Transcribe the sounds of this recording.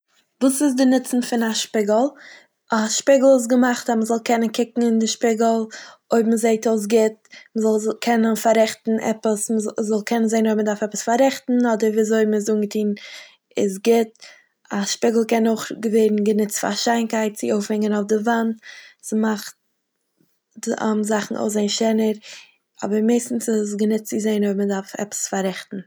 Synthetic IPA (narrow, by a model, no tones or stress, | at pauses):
vuːsɪz̬dɪnɪt͡sn̩fɪnaʃpɪɡəl̩ˠ | aʃpɪɡl̩ˠɪs̬ɡəmaχtaməzɔlˠkɛnənkɪkŋ̩ɪndɪʃpɪɡl̩ˠoɪbməzeɪtoʊs̬ɡɪtməzɔlˠkʰɛnənfaɾɛχtn̩ʔɛ̰pəsməzzɔlˠkʰɛnənzeɪnoɪbmədaɾfɛpə̥sfaɾɛχtn̩ɔdəɾviːazoɪbm̩ɪs̬uːnɡətʰiːn | ɪsɡɪt | aʃpɪɡl̩ˠkɛnoʊχɡəveɪɾn̩ɡənɪt͡sfa̰ʃaɪnkaɪt̚t͡sɪoʊfhɛŋənaʊfdɪvantsmaχt | a̰zaχn̩ʔo̰ʊzaɪnʃɛnəɾ | ɔ̰bəɾmeɪstn̩sɪs̬ɡənɪt̚t͡sɪzeɪnoɪbmədaɾfɛ̰pə̥sfaɾɛχtn̩